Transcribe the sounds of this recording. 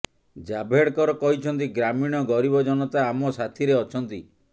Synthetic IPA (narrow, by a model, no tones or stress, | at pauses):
d͡ʒabʱeɽkɔɾɔkɔɦit͡ʃʰɔnt̪iɡɾamiɽ̃ɔɡɔɾibɔd͡ʒɔnɔt̪aːmɔsat̪ʰiɾeɔt͡ʃʰɔnt̪i